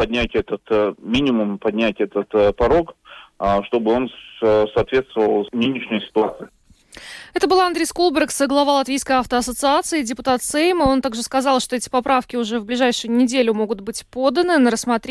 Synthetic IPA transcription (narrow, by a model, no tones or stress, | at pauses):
pɐdʲnʲætʲɛt̪ət̪mʲinʲɪmʊmpɐdʲnʲætʲɛt̪ət̪pɐɾo̞k | ʂt̪o̞bɨo̞nsɐːt̪vʲet̪st̪vəvəlˠnɨnʲɪʂnʲɪjʊsʲɪ̥t̪ʊat̪sɨɪ | ɛt̪əbɨlˠɐnd̪ɾʲejskulˠbʲɪrksəɡlˠɐvalˠɐt̪vʲijskəjaft̪əɐsət̪sɨat̪sɨɪdʲɪpʊt̪at̪sejməo̞nt̪aɡʐɨskɐzɑlˠʂt̪oɛtʲɪ̥pɐpɾafkʲɪʊʐɛvblʲɪʐajʂɨjʊnʲɪdʲelʲʊmo̞ɡʊt̪bɨtʲpo̞d̪ənɨnəɾəsːmɐt̪ɾʲ